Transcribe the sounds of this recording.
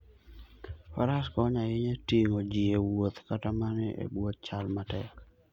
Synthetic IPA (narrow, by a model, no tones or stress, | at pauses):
faɾaskɔɲajɪɲetiŋod͡ʒiewot̪katamanɪʔḛbwot̪̚t͡ʃalmatɛk